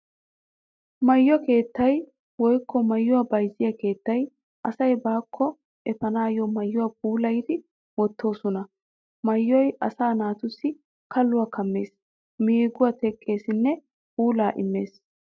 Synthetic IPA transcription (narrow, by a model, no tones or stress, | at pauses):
mɐjːɔke̞ːt̪ːɐj | wɔjkːɔmɐjːʊwabɐjzɪjɐke̞ːt̪ːɐj | ʔɐsɐjbaːkʰːɔ | ʔɛfɐnaːjɔmɐjːʊwap̚uːlɐjd̪ɪ | wɔt̪ːo̞ːsɔnɐ | mɐjːɔjʔɐsaːnaːt̪ʊsːɪ | kɐlːʊwakʰɐmːe̞ːs | miːɡʊwat̪ɛkʼːe̞ːsɪnːɛ | puːlaːʔɪ̰mːe̞̰ːs